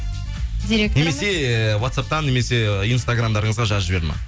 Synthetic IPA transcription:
d̪eɾekne̞me̞se̞wat̪sap̚t̪ɑnːe̞me̞se̞inst̪aɡramd̪ɑɾəɴəzʁɑʒɑʒɪbe̞ɾmɑ̰

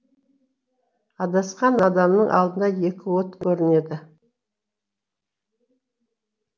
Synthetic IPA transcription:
ɑd̪ɑsqɑnɑd̪ɑmnəɴʔɑ̰lˠd̪ənɑje̞kʲɪwot̪kʲʰɵɾɪne̞d̪ɪ

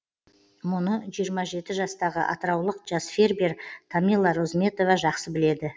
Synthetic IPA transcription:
mʊnəʒijəɾmɑʒe̞t̪ɪʒɑst̪ɑʁəʔɑ̰t̪əɾɑwlˠəqʒɑsfʲe̞rbeɾt̪ʰamʲilˠɑɾozmʲe̞t̪o̞vɑʒɑqsəbɪle̞d̪ɪ

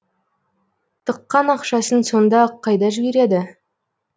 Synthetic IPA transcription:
t̪ʰəqːɑnɑqʃɑsənso̞nd̪ɑqʰɑjd̪ɑʒɪbe̞ɾe̞d̪ɪ

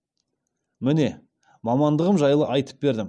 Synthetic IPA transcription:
mɪne̞ | mɑmɑnd̪əʁəmʒɑjlˠəʔɑjt̪ə̥p̚be̞ɾd̪ɪm

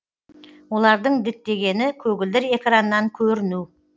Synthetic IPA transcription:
wo̞lˠɑɾd̪əɴd̪ɪt̪ːe̞ɡʲe̞nɪkʲʰɵɡʲɪld̪ɪɾe̞kranːɑŋkʲʰɵɾɪnu

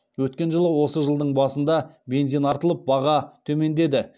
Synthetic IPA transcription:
wɵt̪kʲe̞nʒəlˠəwo̞səʒəlˠd̪əɴbɑsənd̪ɑbe̞nzijnɑɾt̪əlˠəp̚bɑʁɑt̪ʰɵme̞nd̪e̞d̪ɪ

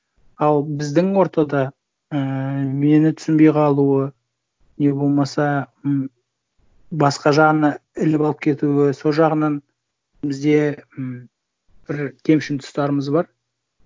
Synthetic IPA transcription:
ɑlˠbɪzd̪ɪŋwo̞ɾt̪ɑd̪ɑ | əme̞nɪt̪ʰʏ̥sɪnbe̞jqʰɑlˠuə | ne̞bo̞lˠmɑsɑm | bɑsqɑʒɑʁənɑɪlɪpɑlˠəpkʲʰe̞t̪uɪso̞lˠʒɑʁənɑn | bɪzd̪e̞m | b̥ɪɾkʲʰe̞mʃɪnt̪ʰʊ̥st̪ɑɾəməzbɑɾ

